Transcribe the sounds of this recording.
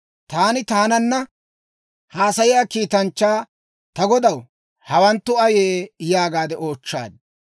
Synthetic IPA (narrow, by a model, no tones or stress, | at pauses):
t̪aːnɪt̪aːnɐnːɐ | haːsɐjɪjaːkiːt̪ɐnt͡ʃːaː | t̪ɐɡɔd̪ɐw | hɐwɐnt̪ːʊɐjeːjaːɡaːd̪ɛʔo̞ːt͡ʃːa̰ːd̪̚